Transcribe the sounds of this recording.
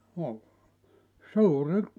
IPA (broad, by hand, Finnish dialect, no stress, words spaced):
no suːrĭ